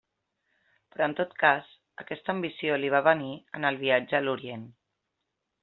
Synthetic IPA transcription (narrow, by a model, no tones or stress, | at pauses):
pɾɔənt̪ot̪kas | ə̰kɛst̪əːmbisioliβ̞aβ̞əniənəlˠβ̞iad͡ʒəluɾien